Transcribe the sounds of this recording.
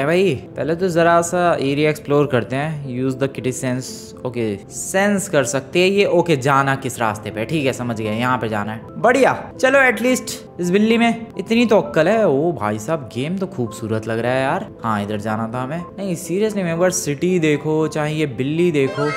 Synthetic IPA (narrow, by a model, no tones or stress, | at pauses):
ɛ̃bʱaːipɛːlet̪ozɐɾasaeːɾijaeksploːɾkɐɾt̪eɦɛ̃ːjuːzd̪əkɪʈisɛ̃ns | oːke | sɛ̃nskɐɾsɐk̚t̪eɦɛ̃jeʔoːked͡ʒaːnakɪsɾaːst̪epeʈʰiːkɛsɐməd͡ʒɡɐjajɐɦãpɐɾd͡ʒaːnaɦɛ | bɐɽijaːt͡ʃɐloɛːʈliːsʈ | ɪs̬bɪlːimẽɪt̪nit̪oɐkːəlɦɛobʱa̰ːisaːb̚ɡeːmt̪oxʰuːbsuːɾət̪lɐɡɾɐaɦjaːɾhãːɪd̪əɾd͡ʒaːnat̪ʰaɦɐmẽːnɐɦĩsiːɾijəslimẽːbəɾsɪʈid̪eːkʰot͡ʃaːɦĩebɪlːid̪eːkʰoː